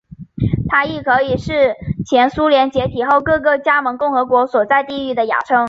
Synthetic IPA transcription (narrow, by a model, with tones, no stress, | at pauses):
t̪ʰa˥i˥˩kʰɤ˧˥i˨˩ʂɻ̩˥˩t͡ɕʰjɛ˧˥nsu˥ljɛ˧˥nt͡ɕjɛ˧˥t̪ʰi˨˩xo˥˩˧ʊkɤ˥˧kɤ˥˩t͡ɕja˥mə˧˥ŋkʊ˥˩ŋxɤ˧˥kwɔ˧˥swɔ˨˩t͡sa˥˧ɪt̪i˥˧y˥˩d̪ə˩ja̰˨˩ʈ͡ʂʰɤ˥ŋ